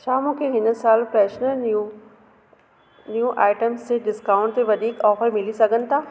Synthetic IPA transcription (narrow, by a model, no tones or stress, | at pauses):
t͡ɕʰaːmũːkʰeɦɪnə̆saːlpɾɛːʃnəɾu | njũʔaːɪʈəmst̪ʰeɖɪskaːʊ̃ɳʈ̚t̪eʋɐd̪ʱiːkɔːfəɾmɪlisɐɡʱənɪ̆t̪ʰaː